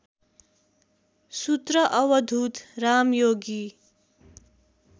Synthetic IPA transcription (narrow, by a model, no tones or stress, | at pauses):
sut̪rʌʔʌwʌd̪ʱut̪ramjoɡi